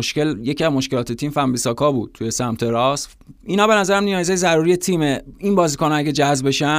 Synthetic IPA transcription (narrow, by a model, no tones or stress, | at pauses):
oʃke̞ljeciæzmo̞ʃkelɒːt̪et̪ʰiːmfæmbisɒːkʰɒːbuːd̥̪̚t̪ʰuje̞sæmt̪ʰe̞ɾɒs | iːnɒːbe̞næzæɾæmnijɒːjzɒːjzæɾuːɾije̞t̪ʰiːmeinbɒːziːkoːnoæɟed͡ʒæzbe̞ʃæ